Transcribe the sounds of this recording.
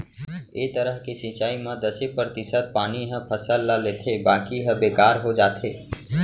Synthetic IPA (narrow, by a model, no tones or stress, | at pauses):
eːt̪əɾəɦkesĩːt͡ʃaːimãd̪əsepɾɾət̪ɪsət̪̚paːniɦə̃pʰəsəlːaleːt̪ʰebaːkiɦə̃beːkaːɾɦod͡ʒaːt̪ʰeː